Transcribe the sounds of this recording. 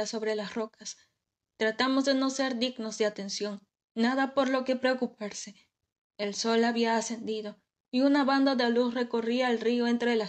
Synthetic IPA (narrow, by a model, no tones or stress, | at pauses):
aso̞βɾe̞lasro̞kas | t̪ɾat̪amo̞zðe̞no̞se̞ɾd̪iɣno̞zðeat̪e̞nsjo̞ŋː | aðapo̞ɾlo̞ke̞pɾe̞okup̚aɾse̞ | elso̞laβiaːse̞nd̪iðo̞ | iunaβand̪aðealusre̞ko̞riaːlrioe̞nt̪ɾe̞la